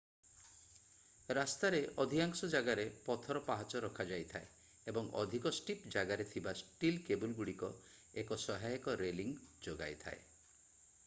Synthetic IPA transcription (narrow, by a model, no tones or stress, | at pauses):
ɾast̪aɾeʔɔd̪ʱikaŋsɔd͡ʒaɡaɾepɔt̪ʰɔɾɔpaɦat͡ʃɔɾɔkʰad͡ʒajt̪ʰae | ebɔŋɔ̰d̪ʱikɔsʈipd͡ʒaɡaɾet̪ʰibasʈilkebulɡuɽikɔ | ekɔsɔɦajekɔɾeliŋd͡ʒoɡa̰jt̪ʰa̰e